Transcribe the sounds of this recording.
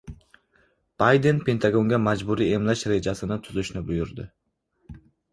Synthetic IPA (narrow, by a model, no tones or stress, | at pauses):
b̥ajd̪e̞npʰe̞nt̪ʰaɡo̞ŋɡʲamad͡ʒbʊɾie̞mlaʃɾe̞d͡ʒasɪnɪt̪ʰʊzɪʃnɪbʊjʊɾd̪ɪ